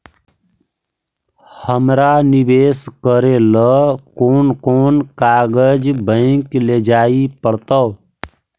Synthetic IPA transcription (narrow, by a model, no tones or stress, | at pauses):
həmɾanibeskəɾeləkoːnkonkaɡəd͡ʒbə̃ɪkled͡ʒaipəɽt̪ə